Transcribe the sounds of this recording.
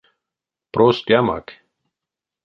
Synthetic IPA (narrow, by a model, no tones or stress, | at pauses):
pɾost̪jama̰k